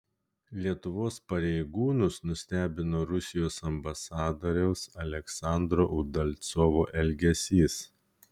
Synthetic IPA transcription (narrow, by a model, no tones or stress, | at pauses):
lʲiɛt̪ʊʋoːspɐɾʲɛɪɡuːnʊsnʊsʲt̪ʲæːbʲɪnoːɾʊsʲɪjoːsɐmbɐsɑːd̪oːɾʲɛʊsɐlʲɛksɑˑnd̪ɾoːʔʊd̪ɐlʲt̪soːʋoːʔɛlʲɡʲɛsʲiːs